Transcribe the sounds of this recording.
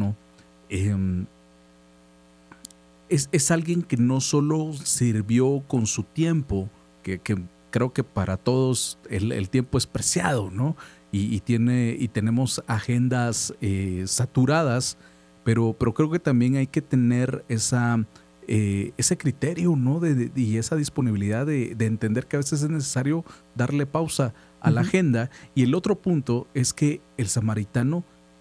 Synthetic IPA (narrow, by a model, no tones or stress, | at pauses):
o | em | ese̞salɣje̞ŋke̞no̞so̞lo̞siɾβjo̞ko̞nsut̪je̞mpo̞ | keke | kɾe̞oke̞paɾat̪o̞ðo̞sḛlḛlt̪je̞mpo̞e̞spɾe̞sja̰ðo̞no̞ | iːt̪je̞ne̞it̪e̞ne̞mo̞saxe̞nd̪asesat̪uɾað̞as | pe̞ɾo̞pe̞ɾo̞kɾe̞oket̪ambje̞najke̞t̪e̞ne̞ɾe̞sa | eese̞kɾit̪e̞ɾjono̞ðeie̞saðispo̞niβiliðaðe̞d̪e̞ːnt̪end̪eɾke̞aβe̞ses̬e̞znes̬esaɾjo̞ | ðaɾle̞pawsa̰ː | laxe̞nd̪aie̞lo̞t̪ɾo̞punt̪o̞e̞ske̞ːlsamaɾit̪ano